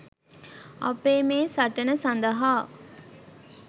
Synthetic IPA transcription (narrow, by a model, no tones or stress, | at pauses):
a̰peːmeːsaʈənəsand̪əɦaː